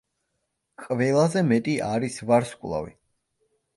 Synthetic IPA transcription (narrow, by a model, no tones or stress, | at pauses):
qʼvɛlˠazɛmɛt̪ʼiʔaɾisvaɾskʼlˠa̰vḭ